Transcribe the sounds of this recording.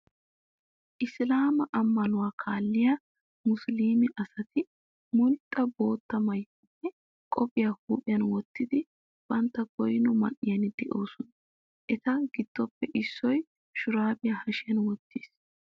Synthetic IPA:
ʔɪslaːmɐʔɐmːɐnʊwaːkʰaːlːɪjɐ | mʊsliːmɛʔɐsɐt̪ɪ | mʊlt̪ʼːɐboːt̪ːɐmɐjɐpːɛ | kʼɔpʼɪjaːhuːʔʼɪjɐnwɔt̪ːɪd̪ɪ | b̥ɐnt̪ːɐɡɔjnɔmɐ̰nʔɪjɐnɪd̪ɛʔo̞ːsɔnɐ | ʔɛt̪ɐɡɪd̪̥ːɔpːɛʔɪsːɔj | ʃʊɾaːbɪjahɐʃɪjɐnwɔt̪ːiːs

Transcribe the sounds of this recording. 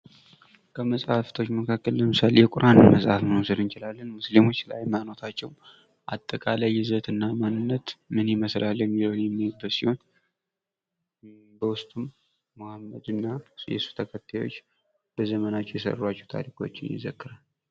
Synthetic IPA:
kʰəməsʼhaft̪ʰo̞t͡ʃːməkʰakːəlləmɨsalejɛkʷʼʊɾʔanməsʼhafmɨnusəd̪ɨnt͡ʃɪlalːənmuslimo̞t͡ʃːlajmano̞t̪ʰat͡ʃːɛw | ʔa̰t̪ʼːəkʼalajːɪzət̪ɨnːamanːɨnːət̪mɨniməslaljɛmːiləwnjɛmːɨhɛbːət̪siho̞n | bəwʊst̪ʼumː | ohamːə̰d̪ɨnːajɛ̰su̥t̪ʰəkʰət̪ʰːajwo̰t͡ʃː | b̥əzəmənat͡ʃːɛjɛsə̰rːwat͡ʃːɛwt̪ʰa̰ɾikʰo̞̰t͡ʃːɪnjɪ̰zəkːɨɾal

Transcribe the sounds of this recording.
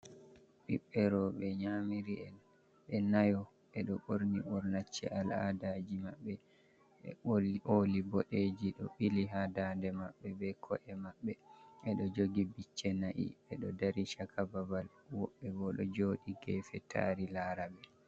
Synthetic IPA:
ɓiɓːɛɾɔɓɛɲamiɾiɛl | ɓɛnajɔ | ɛɗɔɓoɾniɓɔɾnat͡ʃːɛ̰ala̰dad͡ʒimaɓːɛ | ʔolibɔɗeːd͡ʒiɗɔɓiliɦadandɛmaɓːɛbɛkʰɔʔɛmaɓːɛʔɛɗɔd͡ʒoɡibit͡ʃːɛnaʔḭɓɛɗɔdaɾiʃakʰababal | wɔɓːɛbɔɗɔ̰d͡ʒoːɗiɡɛːfɛtʰa̰ɾilaːɾabɛ

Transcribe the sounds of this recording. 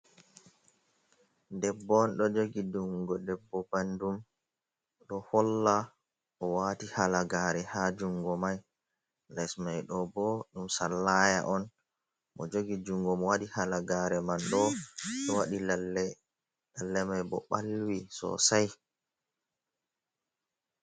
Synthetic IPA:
dɛbːɔnɗɔd͡ʒoɡiduŋɡɔdɛbːɔbandum | ɗɔhɔlːa | ʔɔwaːtihalaɡaːɾɛhad͡ʒuŋɡɔmaj | lɛsmajɗɔbɔɗumsalːaja̰ʔɔn | mɔ̰d͡ʒoɡid͡ʒuŋɡɔmɔwaɗihalaɡaɾɛmanɗɔɗɔwaɗila | lalːɛmajbɔɓalwisɔ̰saj

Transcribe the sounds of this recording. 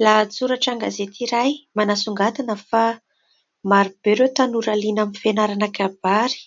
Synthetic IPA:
lat͡suɾaʈ͡ʂaŋɡazet̪iɾajmanasuŋɡat̪anəfa | maɾib̥eɾewt̪anuɾalinamifenaɾanakab̥aɾi̥

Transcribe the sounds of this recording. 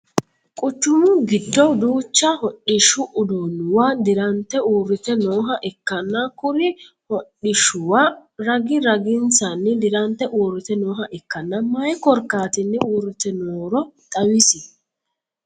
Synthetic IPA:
kʼʊt͡ʃːʊmʊɡɪd̪ːɔd̪uːt͡ʃːɐhɔɗɪʃʊʔʊd̪onːʊwad̪ɪɾɐnt̪ɛuːrːɪt̪ɛnoːɦɐʔɛkːɐnːɐkʊɾɪ | hɔᶑːɪʃʊwaɾɐɡɪɾɐɡɪnsɐnːɪd̪ɪɾɐnt̪ɛʔuːrːɪt̪ɛnoːɦɐʔɪkːɐnːɐmɐjkɔɾkaːt̪ɪnːɪuːɾɪt̪ɛnoːɾɔt̪ʼɐwɪsɪ

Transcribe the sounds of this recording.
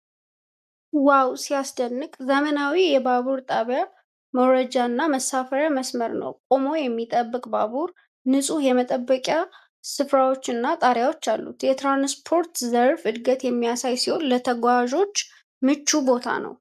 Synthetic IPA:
wawsijasd̪ənːɨkʼzəmənawijɛbaβuɾt̪ʼaβja | məwɾəd͡ʒaɨnːaməsːafəɾjaməsməɾnə̰wkʼomo̞jɛmːit̪ʼəbːɨkʼbabuɾ | nɨsʼujɛmət̪ʼəbːəkʼja | sɨfɾawo̞t͡ʃːɨnːat̪ʼaɾjawo̞t͡ʃːalːṵt̪jɛt̪ɾanspʰo̞ɾt̪zəɾfɨd̪ɡət̪jɛmːijasajsiho̞nlət̪ʰəɡʷaʒo̞t͡ʃː | mɨt͡ʃːubo̞t̪ʰa̰nə̰w

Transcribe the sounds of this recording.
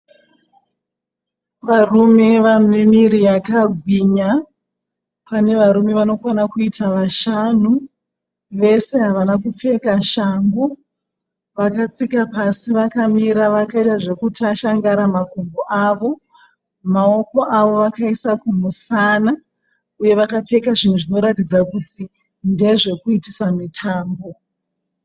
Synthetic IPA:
ʋarume̞ʋamemiɾijakaɡʱwiɲa | pane̞ʋaɾume̞ʋano̞kwanakuitʰaʋaʃanu | ʋe̞se̞ɦaʋanakup͡fe̞kaʃambo | ʋakat͡sikapasiʋakamiɾaʋakaitaʐe̞kutaʃaŋɡaɾamakomboʔaʋo̞ | mao̞ko̞ʔaʋo̞ʋakaisakum̤usana | uje̞ʋakap͡fe̞kaʐin̤uʐino̞ɾatid͡zakutʰi | nde̞ʐe̞kuitisamitʰaːmbo̞

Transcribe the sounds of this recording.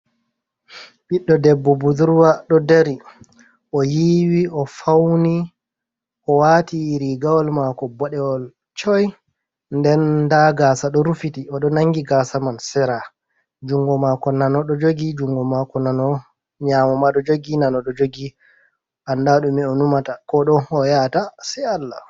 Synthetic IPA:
biɗːɔdɛbːɔbuduɾwaɗɔdɛɾi | ʔɔjiwiɔfawni | ʔɔwatiɾiɡawɔlmakɔbɔɗɛwɔl | t͡ʃɔj | ndɛndaɡasaɗɔɾufitiɔɗɔnaŋɡiɡasamansɛɾa | d͡ʒuŋɡɔmakɔnanɔɗɔd͡ʒoɡid͡ʒuŋɡɔmakɔnanɔ | ɲamɔmaɗɔd͡ʒoɡinanɔɗɔd͡ʒoɡi | ʔandaɗumiɔnumatakɔɗɔːjatasɛalːa̰

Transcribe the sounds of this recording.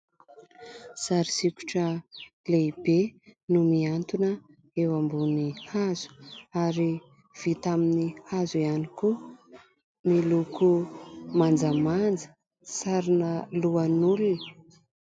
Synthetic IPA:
saɾisikʲu̥ʈ͡ʂəleib̥enumiant̪unə | ewambunihazu̥aɾi | v̥it̪aminihazuianiku | milukumand͡zəmand͡zə̥ | saɾinəluanuluni̥

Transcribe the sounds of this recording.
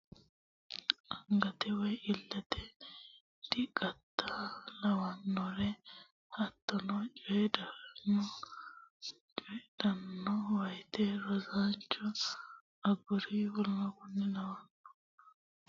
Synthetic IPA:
ʔɐŋɡɐt̪ɛwɔjɪlːɐt̪ɛ | d̪̥ɪkʼɐt̪ːalɐwɐnːɔɾɛ | hɐt̪ːɐnɔt͡ʃʼɔjɛd̪ɐɾnːɔ | t͡ʃʼɔjɛd̪̥ɐnːɔwɐjt̪ɛɾɔzaːnt͡ʃːɔ | ɐɡʊɾiwɔlːɔkʊnːɛlɐwɐnːɔ̥

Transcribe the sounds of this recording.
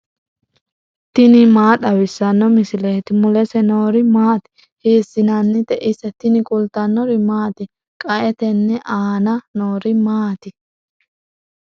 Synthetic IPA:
t̪ɪnɪmaːɗɐwɪsːɐnːɔmɪsɪleːt̪ɪmʊlɛsɛnoːɾɪmaːt̪ɪ̥ | heːsːɪnɐnːɪt̪ɛʔɪsɛt̪ɪnɪkʼʊlt̪ɐnːɔɾɪmaːt̪ɪ | kʼɐʔɛt̪ɛnːɛʔaːnɐnoːɾɪmaːt̪ɪ

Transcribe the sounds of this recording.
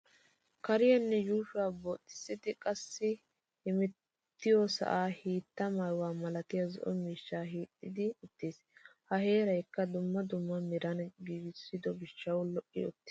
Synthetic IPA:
kɐɾɪjɐnːɛjuːʃʊaːbot̪ʼːɪ̥sːɪt̪ɪkʼɐsːɪ | hɪmɛt | t̪ːɪjɔsɐ̰ʔaːhiːt̪ːɐmɐjwaːmɐlɐt̪ɪjɐzɔ̰ʔɔmiːʃːaːɦiːt̪ʼːɪd̪ɪʊt̪ːeːs | hɐhe̞ːɾɐjkːɐd̪ʊmːɐd̪ʊmːɐmɪɾɐnɡiːɡɪsːɪd̪ɔbɪʃːɐwlɔʔːɪɔ̰t̪ːɪ̥

